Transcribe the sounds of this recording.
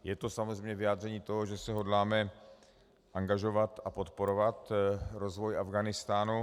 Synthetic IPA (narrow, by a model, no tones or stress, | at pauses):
jɛt̪o̞samo̞zrɛjmɲɛvɪjaːd̪r̝ɛɲiːt̪o̞ɦoʒɛsɛɦo̞dlaːmɛ | ʔaŋɡaʒo̞vat̪apo̞t̪po̞ɾovat̪ɾo̞zvo̞jʔavɡaːnɪst̪aːnu